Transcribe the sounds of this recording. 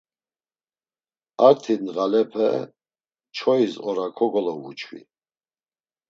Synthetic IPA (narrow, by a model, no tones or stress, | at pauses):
aɾt̪ʰinɣalɛpʰɛ | t͡ʃʰɔizʼɔɾakʰɔɡɔlɔwṵt͡ʃʰwḭ